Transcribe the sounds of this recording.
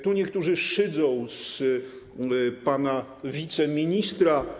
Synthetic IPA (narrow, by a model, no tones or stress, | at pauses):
t̪uɲɛk̚t̪uʐɘʂɘd̪zɔ̃w̃s | pana | vʲit̪sɛmʲiɲist̪ɾa